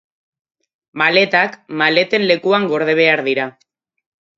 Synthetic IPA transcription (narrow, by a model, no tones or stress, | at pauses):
male̞t̪akmale̞t̪e̞nle̞kuaŋɡo̞ɾð̞e̞β̞e̞aɾðiɾa